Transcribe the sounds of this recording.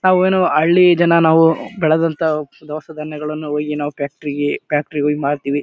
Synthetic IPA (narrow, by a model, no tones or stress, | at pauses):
naːʋueːnuɐɭːid͡ʒɐnɐnaːʋubɛɭɛd̪ɐnt̪ɐd̪ɐʋɐsɐd̪ʱɐnːjɐɡɐɭɐnːuoːɡinaːʋupjaːk̚ʈɐɾiɡepjaːk̚ʈɐɾioɡimaːɽt̪iːʋi